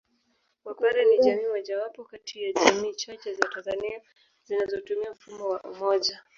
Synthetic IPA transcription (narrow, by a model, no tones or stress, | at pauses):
wakaɾɛniʄamiːwaʄawapɔkatʰijaʄamiːt͡ʃat͡ʃɛzatanzania | zinazɔtumiam̩fumɔwaʔṵmɔʄa